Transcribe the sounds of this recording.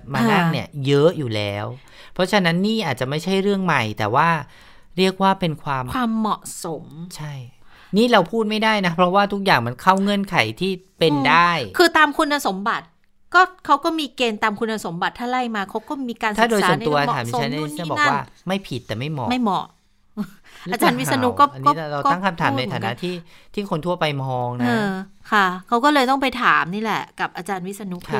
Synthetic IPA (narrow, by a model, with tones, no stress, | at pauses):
maː˧na˥˩ŋni˥˩əjɤ˦˥ʔjuː˨˩lɛ̰ː˦˥w | pʰɾɔ˦˥t͡ɕʰa˧na˦˥nːiː˥˩ʔaː˨˩t͡ɕa˨˩ʔma˥˩jt͡ɕʰa˥˩jɾɯ˥˩əŋma˨˩jt̪ɛ̰ː˨˩waː˥˩ | ɾi˥˩ək̚waː˥˩pe˧nkʰwaː˧mkʰwaː˧mːɔ˨˩ʔso˩˦mt͡ɕʰa˥˩j | niː˥˩ɾa˧wpʰuː˥˩t̪̚ma˥˩jdaː˥˩jna˦˥pʰɾɔ˦˥waː˥˩t̪ʰu˦˥k̚jaː˨˩ŋma˧nkʰa˥˩wŋɤ˧˥˨nkʰa˩˦jt̪ʰiː˥˩pe˧ndaː˥˩jkʰɯː˧t̪aː˧mkʰu˧nːa˧so˨˩˦mba˨˩t̪̚ | kɔː˥˩kʰa˦˥wkɔː˥˩miː˧keː˧nt̪aː˧mkʰu˧nʔa˧so˩˦mba˨˩t̪ʰːaː˥˩la˥˩jmaː˧kʰa˦˥wkɔː˥˩miː˧kaː˧nsʰaː˥˩˧doː˧jsːo˨˩˦u˧ɐ˧t̪ʰaː˨˩˦mji˧˩a˦˥na˥˨˥aː˥˩˥ɔ˨na˥˩waː˥˩ma˥˩jpʰi˨˩t̪̚ːɛː˨˩ma˥˩jmɔ̰˨ma˥˩jmɔ̰˨˩ʔ | ʔaː˧t͡ɕaː˧˩nwi˥sa˧nu˦˥kɔː˥˩a˧nɔː˥˦˥ɾa˧wt̪a˥˩ŋkʰa˧mt̪ʰaː˦mna˧jtʰaː˩˦na̰˦˧˥t̪ʰiː˥˩t̪ʰiː˥˩kʰo˧nt̪ʰu˥˩ɐpa˧jmɔː˧ŋna˦ɤː˥˧kʰa˥˩kʰa˦˥wkɔ˥˩lɤː˧jt̪ɔ˥˩ŋpa˧jt̪ʰaː˩˦mniː˥˩lɛ˨˩ka˨˩p̚ʔa˧t͡ɕaː˧nwi˥sa˧nu˦˥˦